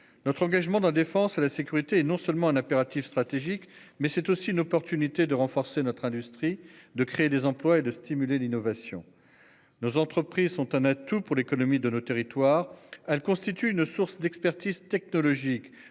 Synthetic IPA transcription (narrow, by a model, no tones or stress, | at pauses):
nɔt̪χɑ̃ɡaʒmɑ̃d̪ld̪efɑ̃selasekʲyʁit̪eɛnɔ̃sœlmɑ̃ɛ̃nɛpeʁat̪ifst̪χat̪eʒikmɛsɛt̪osiynɔpɔʁt̪ynit̪ed̪əʁɑ̃fɔʁsenɔt̪χɛ̃d̪yst̪χid̪əkχed̪ezɑ̃plwaed̪əst̪imylelinɔvasjɔ̰̃ | nozɑ̃t̪χəpχizsɔ̃t̪ɛ̃nat̪upuʁlekɔnɔmid̪ənot̪eʁit̪waːʁɛlkɔ̃st̪it̪yynsuʁsd̪ɛkspɛʁt̪izt̪ɛk̚nɔlɔʒik